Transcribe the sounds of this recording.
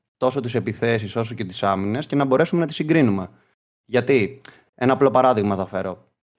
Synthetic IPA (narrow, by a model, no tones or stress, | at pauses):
t̪o̞sot̪ise̞piθe̞s̬iso̞so̞ce̞t̪i̥sɐmine̞sce̞nɐbo̞ɾe̞sume̞nɐt̪i̥siɡɾinume̞ | ʝɐt̪i | e̞nɐːplo̞pɐɾɐðiɣmɐθɐfe̞ɾo̞